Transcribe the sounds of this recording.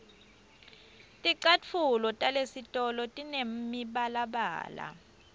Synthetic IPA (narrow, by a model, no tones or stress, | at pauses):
tʼiǀat͡fʰulɔtʼalesitʼɔlɔtʼinem̩miɓalaɓa̰ːla̰